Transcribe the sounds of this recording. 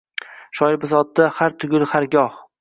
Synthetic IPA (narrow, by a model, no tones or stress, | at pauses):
ʃɒjbɪzɒt̪̚ːahaɾt̪ʰʊɡʲʊlhaɾɡʲɒh